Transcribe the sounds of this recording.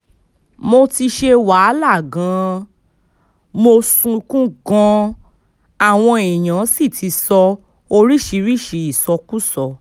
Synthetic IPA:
mo˧ti˧ʃe˧wa˨˦la˦˨ɡã˨˦ | mo˧sũ˧kũ˦ɡɔ̃˧ | a˦˨w̃ɔ̃˧e˨j̃ã˨˦si˦˨tʰi˨˧˦sɔ˧ | o˧ɾi˦ʃi˨˧ɾi˦˨ʃi˨˧i˦˨sɔ˧ku˦sɔ˧

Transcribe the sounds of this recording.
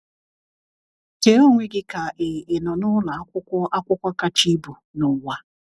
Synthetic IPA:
ke˨˦o˦ŋʷe˦ɡɪ˦ka˨ʔe˨e˨nɔ˨nʊ˦la˨˦ʊ˦a˦kʷʊ˦kʷa˦ka˦t͡ʃi˦bu˨ | nʊ˨wʷa˦

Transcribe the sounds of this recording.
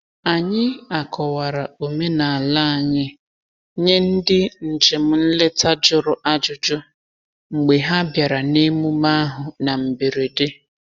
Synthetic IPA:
a˨ɲɪ˦a˨kʰɔ˨wa˨ɾa˨o˨me˦na˨a˨la˦a˨ɲɪ˦ | ɲe˦n̩˦dɪ˦n̩˨d͡ʒe˨m̩˦n̩˦le˦ta˦d͡ʒʊ˦ɾʊ˦ʔa˦d͡ʒʊ˨d͡ʒʊ˦ | ŋ͡m̩˨ɡ͡be˨ɦa˦bja˨ɾa˨ne˦mu˦ma˦a˦ɦʊ˨na˨m̩˨be˨ɾe˨de˦

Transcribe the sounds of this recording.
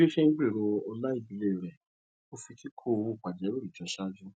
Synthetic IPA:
e˦ʃɛ˦ŋ̩˦ɡ͡be˦˨ɾo˧o˧la˦i˦˨bi˨le˦˨ɾɛ˨ | o˦fi˧tʰi˦kʰo˦˧˨wu˦˨k͡pa˨d͡ʒɛ˨˦u˦ɾi˨d͡ʒɔ˨˧ʃa˦d͡ʒu˦

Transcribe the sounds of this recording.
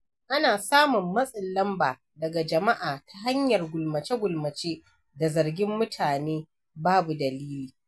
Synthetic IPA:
ʔa˦naː˨saː˦mʊ˨mːɐ˦sʼɪ˨lːɐ˦mbaː˨ | dɐ˨ɡa˨d͡ʒɐ˨ma˦ʔaː˨tʰa˦ɦa˦ɲjɐ˨rɡʷʊ˨lmɐ˨t͡ʃe˦ɡʷʊ˨lmɐ˨t͡ʃeː˦ | da˨zɐ˨rɡʲɪ˦mːʊ˦tʰaː˨neː˦ | baː˦bu˨dɐ˨liː˦liː˨

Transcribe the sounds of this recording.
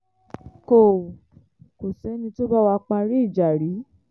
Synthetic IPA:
ko˨ | ko˨sɛ˨˦nĩ˧to˦ba˦wa˧k͡pã˧ɾi˦i˦˨d͡ʒa˨ɾi˨˦

